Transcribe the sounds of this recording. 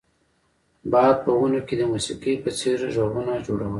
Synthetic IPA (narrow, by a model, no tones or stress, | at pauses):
bɑjad̪̚pəwunoked̪əmusiqipət͡seɾʒobunad͡ʒoɽawə